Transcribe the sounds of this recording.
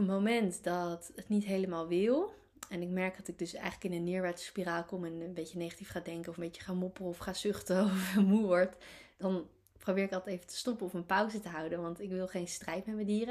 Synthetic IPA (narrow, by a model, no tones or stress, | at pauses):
pətmowmɛntdɑtətnitɦejləmaːlˠʋɪlˠ | ɛnɪkmɛɹk̚d̥ɑtɪɡ̚dɵsɛ̰jχələkɪnənːɪːɹʋɛɹtspiraːlˠkɔmɛnbejcənejχḁtifχaːdɛŋkənɔfəmbejcə̥χaːmɔpərəɔfχaːsʏχtəɔfɛmuʋɔɹtd̥ɑn | prowbɪːɹɪkɑtejvətə̥stɔpənɔfənpʌwzətəɦʌwdənʋɑntɪkʋɪlˠχejnstrɛjtmɛtmədiːrə